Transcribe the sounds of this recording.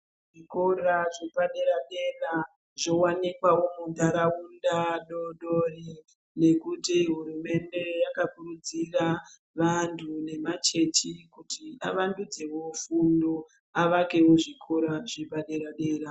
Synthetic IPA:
ʐikoraʐipaɗe̞ɾaɗe̞ra | ʐo̞wanikwawomud̪aɾaundaɗoɗori | ne̞kutiɦuɾume̞nde̞jakakurud͡zira | ʋantʰune̞mat͡ʃe̞t͡ʃikutia̰ʋandud͡ze̞wo̞fundo | aʋake̞wo̞ʐikʰo̞ɾaʐipaɗe̞ɾaɗeːɾa

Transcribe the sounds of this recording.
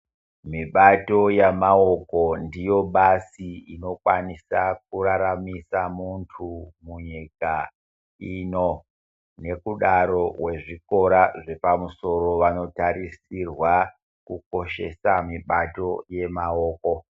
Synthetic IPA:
miɓato̞jamaoko̞ndijo̞ɓasiino̞kwanisak̚uɾaɾamisamuntʰumuɲika | iːno̞ | ne̞kuɗaɾo̞we̞ʐiko̞ɾaʐe̞pamuso̞ɾo̞ʋano̞taɾisirwa | kuko̞ʃe̞samiɓato̞je̞maoːko̞

